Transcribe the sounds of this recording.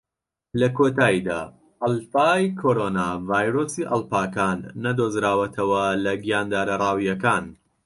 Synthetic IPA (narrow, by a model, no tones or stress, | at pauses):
lɐkʰot̪aːid̪a̰ː | ʔɐlˠfaːjkʰoːɾonavaːjɾoːsiʔɐlˠpaːkaːnːɐd̪ozɾaːwɐt̪ʰɐwɐlɐɡijaːnd̪aːɾɐrˤaːwijɐkaːn